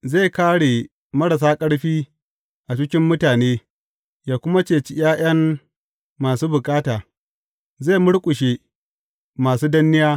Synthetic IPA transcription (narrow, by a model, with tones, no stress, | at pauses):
ze˦˨kaː˦ɽe˨ | mɐ˦ɽɐ˨s̬aː˦kʼɐ˦ɽɸiː˦ | ʔa˨t͡ʃɪ˦kʲɪ˦mːʊ˦taː˨neː˦ | jaː˨kʷʊ˦ma˦t͡ʃeː˨t͡ʃɪ˦j̰aː˦j̰ɐ˦mː | aː˨suː˦bʊ˨kʼaː˦taː˨ | zeː˦˨mʊ˦ɽkʷʼʊ˨ʃe˦ | maː˨suː˦dɐ˦nːɪ˦jaː˦